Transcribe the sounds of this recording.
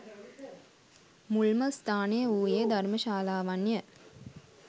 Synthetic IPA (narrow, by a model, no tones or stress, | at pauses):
mulməst̪ʰaːnejəuːjed̪ʱarməʃaːlaːʋanjə